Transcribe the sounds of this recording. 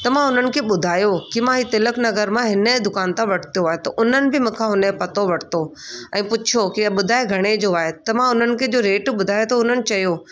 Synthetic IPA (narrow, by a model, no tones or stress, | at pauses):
t̪ɐmãʊnənɪ̆kʰeːɓʊd̪ʱaːjokimãɦiːt̪ɪləknɐɡəɾmãɦɪnəd̪ʊkaːnt̪ãʋɐʈʰt̪ijoaːɦet̪ɐʔʊnənɪ̆bʱɪmɐ̃ːkʰãɦʊnepɐt̪oʋɐʈʰt̪o | ɛ̃ːpʊt͡ɕʰokiɓʊd̪ʱaːeɡʱɐɽ̃ed͡ʑoaːɦet̪ɐmãʊnənɪ̆kʰeːd͡ʑoːɾeːʈɓʊd̪ʱaːjot̪ɐʊn̤ənɪ̆t͡ɕɐjoː